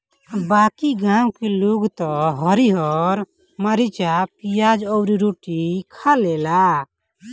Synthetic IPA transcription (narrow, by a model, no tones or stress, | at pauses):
bakiɡãwkeluɡt̪ɔɦəɾiɔɾ | məɾit͡ʃapijad͡ʒɔʊɾiɾoʈikʰalela